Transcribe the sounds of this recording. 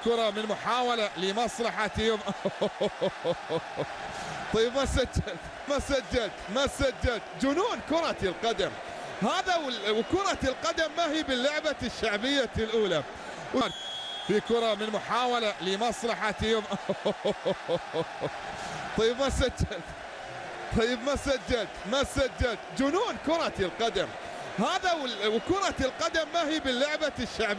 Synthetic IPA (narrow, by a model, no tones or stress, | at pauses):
kʊɾˤɑmɪnmʊħaːwalalimɑsˤlɑħat̪oːmʔa | t̪ˤɑjːɪbmasad͡ʒːalt̪ | masad͡ʒːalt̪masad͡ʒːalt̪d͡ʒʊnuːnkʊɾˤɑɪlqad̪am | haːðawɪwkʊɾˤɑlqɑd̪amːahiːbɪlːʊʕbaʃːaʕbɪjːalʔuːla | waɾt | fikʊɾˤɑmɪnmʊħaːwalalimɑsˤlɑħat̪ːoːmʔoo | t̪ˤɑjːɪbmasad͡ʒːalt̪ | t̪ˤɑjːɪbmasad͡ʒːalt̪masad͡ʒːalt̪d͡ʒʊnuːnkʊɾˤɑɪlqɑd̪am | haːðawɪwkʊɾˤɑɪlqɑd̪amːahiːbɪlːʊʕbaʃːaʕb